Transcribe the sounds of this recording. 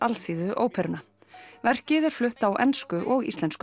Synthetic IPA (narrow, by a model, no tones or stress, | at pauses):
alsiːðʏʔo̰ːwpʰɛɾʏna | vɛr̥cɪðɛɾ̥flʏht̪awʔɛ̰nskʏʔɔɣḭst̪ɛnsk